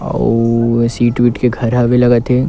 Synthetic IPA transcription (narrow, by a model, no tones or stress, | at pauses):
siːʈʋiːʈkeɡʱɐɾɦabelɐɡat̪eː